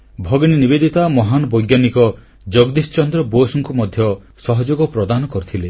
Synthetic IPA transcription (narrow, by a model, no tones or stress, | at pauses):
bʱɔɡñinibed̪it̪amɔɦanɔbɔjɡjanikɔ | d͡ʒɔɡd̪ist͡ʃɔnd̪ɾɔbosɔŋkumɔd̪ʱjɔ | sɔɦɔd͡ʒoɡɔpɾɔd̪anɔkɔɾut̪ʰile